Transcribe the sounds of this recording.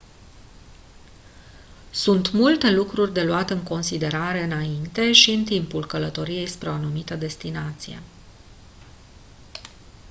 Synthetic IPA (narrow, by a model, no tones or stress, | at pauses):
sunt̪mult̪e̞lukɾurʲd̪e̞luat̪ɨŋko̞nsid̪e̞ɾaɾe̞ɨnaint̪e̞ʃiɨnt̪impulkələt̪o̞ɾije̞jspɾeo̞anumit̪əd̪e̞st̪inat̪sije̞̰